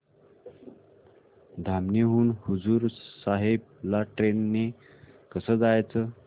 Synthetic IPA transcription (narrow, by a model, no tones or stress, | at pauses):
d̪ʱamneɦuːnhud͡zuɾsaɦeb̚ | laʈɾenːe | kəsəd͡zajt͡sə